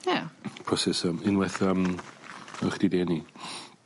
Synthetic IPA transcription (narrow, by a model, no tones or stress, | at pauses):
japʰɔsɛsəmɪnwɛθəm | əχd̥ideːni